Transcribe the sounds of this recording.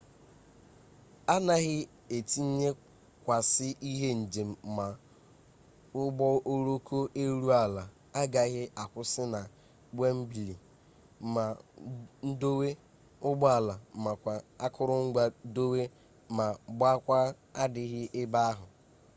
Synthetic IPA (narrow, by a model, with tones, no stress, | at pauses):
a˦na˦ɣɪ˦ | e˨ti˦ɲe˦ | kʷa˨sɪ˦ʔi˦ɦe˦n̩˨d͡ʒe˨m̩˦˨˦ma˨ | ʊ˦bɔ˦o˦ɾo˦ko˦ʔe˦ɾu˦a˨la˨ | a˦ɡa˨ɣɪ˦ʔa˨kʷʊ˦sɪ˦na˨ | ɡ͡be˦m̩˦bi˨li˨˦ | ma˨n̩˦do˦we˦ | ʊ˦ɡ͡bɔ˦a˨la˨ma˨kʷa˨a˦kʰʊ˦ɾʊ˦ŋ̩˦ɡ͡ba˦do˦we˦ | ma˨ɡ͡ba˦kʷa˦ | a˦dɪ˨ɣɪ˦ʔɪ˦ba˦a˦ɦʊ˨